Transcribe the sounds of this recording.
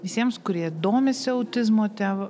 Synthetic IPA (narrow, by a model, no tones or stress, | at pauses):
ʋʲɪsʲiɛmskʊɾʲiɛd̪oːmʲɪsʲɪɐʊt̪ʲɪzmoːt̪ʲæːʋ